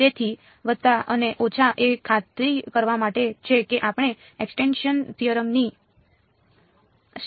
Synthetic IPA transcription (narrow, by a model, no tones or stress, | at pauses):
et̪ʰi | ʋəd̪̚t̪aʔəneʔot͡ʃʰaʔekʰat̪ɾikəɾʋamaʈet͡ʃʰekeʔapəɳ̃e | eksʈenʃənt̪ʰiəɾəmni